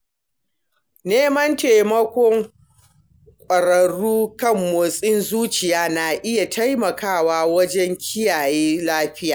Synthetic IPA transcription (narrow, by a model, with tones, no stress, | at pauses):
neː˦mɐ˦nteː˨mɐ˦kʷɔ˦ŋ | kʷʼɐ˨ɽɐ˨ɽuː˦kɐ˦mːoː˨sʼɪ˦nzuː˦t͡ʃɪ˨jaː˦na˨ʔɪ˦ja˨tʰa˦jmɐ˨kaː˦˨waː˦wɐ˦d͡ʒɛ˦ŋkʲʰɪ˦jaː˨jeː˦laː˦ɸɪ˦ja̰ː˨